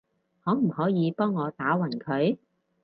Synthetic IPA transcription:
hɔː˨˥m̩˨˩hɔː˨˥jiː˨˧pɔː˥ŋːɔː˨˧t̪aː˨˥wɐ˨˩nkʰɵ˨˥ɥ

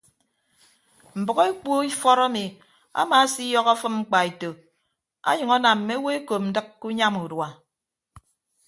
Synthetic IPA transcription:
m̩˨bɨ˨ɣɔ˦e˦k͡po˦i˦fɔ˦ɾa˦mi˨ | a̰˦ma˨˦si˦jɔ˦ɣa˦fɨ˦mŋ͡m̩˦k͡pa˨e˨to˨ | a̰˦ɲɨ˨ŋa˦na˨mm̩˨me˦we˦e˦ko˨p̚n̩˨dɨ˦kːu˦ɲa˦mu˨dwa˨

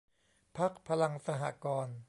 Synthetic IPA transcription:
pʰa˦˥k̚pʰa˧la˧ŋsa˧ɦa̰˨˧˩kɔː˧n

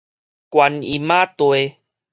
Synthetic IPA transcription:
kwa˧ni˨˩mã˦t̪we˧

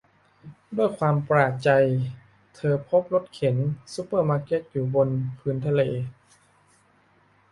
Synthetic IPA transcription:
du˥˩əjkʰwaː˧mpɾaː˧˩t͡ɕa˧j | t̪ʰɤː˧pʰo˦˥p̚lo˦˥t̪̚kʰe˩˦nsu˧˦˥pːɤː˥˩maː˧ke˦˥k̚juː˨˩bo˧npʰɯː˧nt̪ʰa˧leː˧

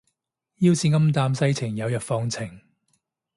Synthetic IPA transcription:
jiː˥wsʰiː˧ŋɐ˥mt̪aː˧msɐ˥jt͡sʰɪ˨˩ŋjɐ˨˧wjœː˨k̚fɔː˧ŋt͡sʰɪ˨˩ŋ

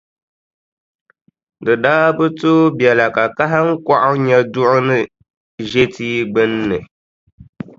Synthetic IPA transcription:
dɨ˨daː˦bɨ˦to˦bjɛ˨la˨ka˨ka˦ɦa˦ŋ̩˦kɔ˦ʔʊ˦ɲɛ˦dʊ˦ʔʊ˦nɨ˦ | ʒe˦tiː˦ɡ͡bɨ˦nːɨ˨

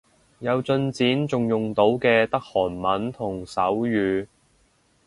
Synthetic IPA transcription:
jɐ˨˧wt͡sɵ˧nt͡siː˨˥nt͡sʊ˨ŋjʊ˨ŋt̪o˨˥wkɛː˧t̪ɐ˥k̚hɔː˨˩nmɐ˨˥nt̪ʰʊ˨˩ŋsɐ˨˥wjyː˨˧

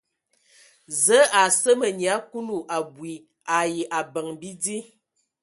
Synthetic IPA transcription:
zə˨˦a˨sə˦mə˨ɲ˨a˨˦ku˦nu˦˨ʔa˨bwi˨ | a˨ji˨ʔa˨bə˨ŋbi˦di˦

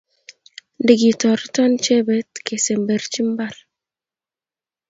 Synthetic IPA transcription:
ndi˨ɡi˨tɔ˨ɾtɔ˦nt͡ʃe˦be˨˦tke˨se˨mbe˨ɾt͡ʃi˦mba˦˨ɾ

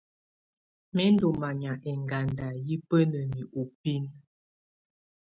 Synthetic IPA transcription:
mɛ˦n˦do˨ma˨ɲa˨ʔɛ˨ŋɡa˨nda˨ji˦pə˦nə˨mi˨ʔu˨pi˦n

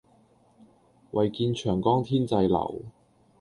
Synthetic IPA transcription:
wɐ˨˩jkiː˧nt͡ʃʰœː˨˩ŋkɔː˥ŋt̪ʰiː˥nt͡sɐ˧jlɐ̰˨˩w

